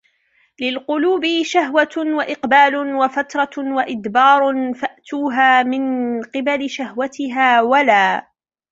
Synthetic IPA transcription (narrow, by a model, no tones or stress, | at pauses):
lɪlqʊluːbɪʃaɦwawaʔɪqbaːlʊwafat̪ɾˤɑwaʔɪd̪bɑːɾˤfaʔt̪uːɦaːmɪnqɨbalɪʃahwat̪ɪɦaːwalaː